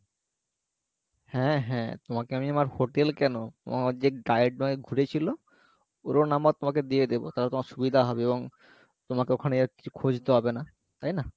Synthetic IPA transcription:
hɛ̃ɦɛ̃t̪omakeamiamaɾhoʈelkɛnot̪o̰mad͡ʑeɡajeʈ̚ːomakeɡʱuɾet͡ɕʰilo | oɾonambat̪omaked̪ied̪ebo̰t̪aɾat̪omaɾʃubid̪ʱaɦɔbeeboŋ | t̪omakeokʰaneaɾki̥t͡ɕʰu̥kʰod͡ʑʱt̪eɦɔbena | t̪ajna

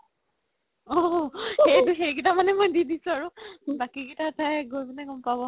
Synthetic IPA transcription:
ɔxejduxejɡitamanɛmojdidisʊ̃aɹubakiɡitatʰajɡojbanɛɡɔmpabɔ

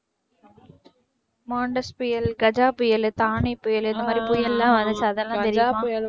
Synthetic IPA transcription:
maːɳɖɐspʊjɐlɡɐd͡ʒaːpʊjɐlt̪aːɳipːʊjɐlɛnd̪ɐmaːd̪ɾipʊjɐlːãːʋɐnd̪ɐsaðɛlːãːt̪ɛɾɪmãː

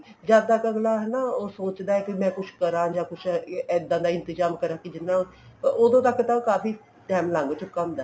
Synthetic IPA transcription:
zjaːd̪aːkəɡlaːɦɛnaoːsoːt͡ʃd̪aːɛːkimɛ̃ːkʊt͡ʃʰkəɾãːd͡ʒaːkʊt͡ʃʰɛːd̪ãːd̪aːɪ̃nt̪ɪzaːmkəɾãːkid͡ʒɪnːãː | od̪õːt̪əkːɪt̪aːokaːfiː | dɛːmlãːŋɡot͡ʃʊkəmd̪aː

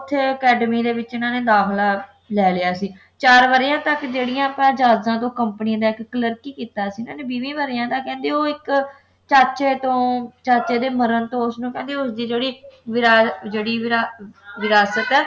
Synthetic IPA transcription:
ʊt̪ʰːeːəkɛːɖmiːd̪eːʋɪt͡ʃɪnãːneːd̪aːxlaː | lɛːlɪjaːsiː | t͡ʃaːɾʋəɾjãːt̪əkd͡ʒeːɽɪjãːpãːd͡ʒaːzãːt̪̬õːkəmpniãːd̪aːɪkːələɾkiːkiːt̪aːsiːɪnãːneːbiːʋĩːʋəɾɪjãːt̪aːkɛ̃ːnd̪eːoːɪk | t͡ʃaːt͡ʃeːt̪õːt͡ʃaːt͡ʃeːd̪eːməɾənt̪õːʊsnũːkɛ̃ːnd̪eːʊsd̪iːd͡ʒeːɽiːʋɪɾaːd͡ʒeːɽiːaʋɪɾaːsət̪ɛː

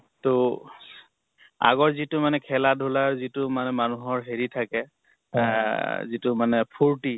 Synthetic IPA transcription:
to | a̰ɡɔɹzitʊmanɛkʰɛladʱulaɹzitʊmanɛmanuɦɔɹɦeɹitʰakɛ | zitʊmanɛpʰuɹti

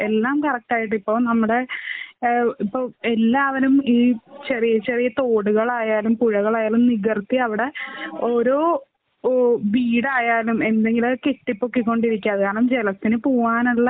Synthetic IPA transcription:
e̞lːaːmkɐrɐk̚ʈaːjiʈːipːo̞ːɭnɐmːuɽe̞ | ipːoːelːaːʋɐnumiːt͡ɕerijɐt͡ɕerijɐt̪o̞ːɽuɣɐɭaːjaːlumpuɻɐɣɐɭaːjaːlumniɣɐrt̪ːiɐʋiɽe̞o̞ɾo̞ː | ʋiːɽaːjaːlume̞nd̪e̞ŋɡilokeʈːipːokːikʲːo̞ɳɖiɾikʲːaɐðɨkaːɐɳɐmd͡ʑelɐt̪ːinɨpoːaːnuɭːɐ

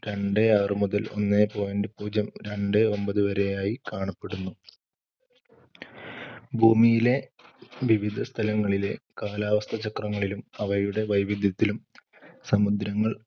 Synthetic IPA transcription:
ɾe̞ɳɖeɐrɨmuðɐlo̞̰nːepo̞ːjɐndepuːd͡ʑɐmɾe̞ɳɖɨo̞mbɐðɨʋɐɾe̞jaːjikaːɳɐpːe̞ɽunːu | bʱuːmijile̞ʋiʋid̪ʱɐst̪ʰɐlɐŋːɐɭile̞kaːlaːʋɐst̪ʰɐt͡ɕɐkrɐŋːɐɭilumɐʋɐjuɽe̞ʋɐjʋid̪ʱjɐt̪ːilum | sɐmud̪ɾɐŋːɐɭ

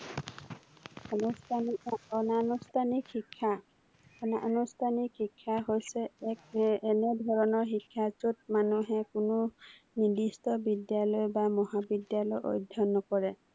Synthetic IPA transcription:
ɔnstɔnanustʰanikhikʰːa | ɔnaʔɔnustʰanikhikʰːaɦojsɛ | ɛnɛdʱɔɹɔnɔɹxikʰːatut̚manuɦɛkʊnʊ | nidistɔbidjalɔjbamɔɦabidjalɔjʔo̰jdʱːɔnɔkɔɹɛ

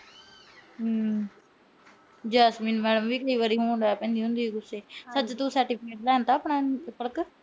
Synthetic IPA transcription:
d͡ʒaːsmiːnmɛːɖəmʋiːkəiːʋaːɾiːɦoːɳɖ̪ɛːpɛ̃ːnd̪iːɦʊ̃nd̪iːɡʊseːsət͡ʃt̪õːsɛːɾʈɪːpʰɪkeːʈlɛːnt̪aːpɳaːpəɽək

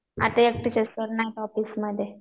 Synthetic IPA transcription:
a̰t̪ajek̚ʈit͡ɕesəɾnajt̪ɔfisməd̪ʱːje

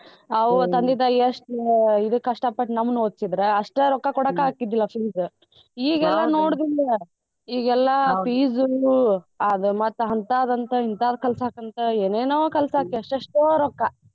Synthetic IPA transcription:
ɐʋt̪ɐnd̪id̪ɐjɐʂʈid̪ukːɐʂʈɐpɐʈnɐmːɐnoːd̪sid̪ɾeɐʂʈeɾɔkːɐkɔɽɐkaːkid̪ilːɐpʰiːz | iːɡɛlːɐno̞ːɽd̪ilːɐ | iːɡɛlːɐpʰiːzu | ɐd̪umɐt̪ːɐɦɐnt̪aːd̪ɐnt̪ɐɦint̪aːd̪ɐkɛlsɐaːkɐnt̪ɐeːneːnoːkɛlsɐaːkiɐʂʈɐʂʈːɾɔkːɐ

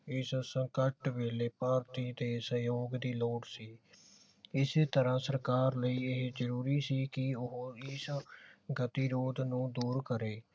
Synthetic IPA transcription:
ɪssəŋkəʈʋeːleːpaːɾt̪iːd̪eːsəjoːɡd̪iːloːʈsiː | ɪset̪əɾãːsəɾkaːɾləiːeɦd͡ʒəɾuːɾiːsiːkɪʊɦɪsɡət̪iːɾoːd̪nũːd̪uːɾkəɾeː

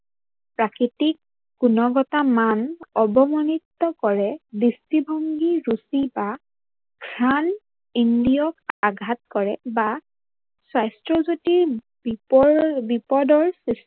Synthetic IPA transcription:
pɹakɹitik | ɡunɔɡɔtamanɔbɔmɔnitːɔkɔɹɛdistibʱɔŋɡiɹusiba | kʰɹan | indijɔkaɡʱat̚kɔɹɛba | sajstɹɔzotiɹ | bipɔdɔɹsist

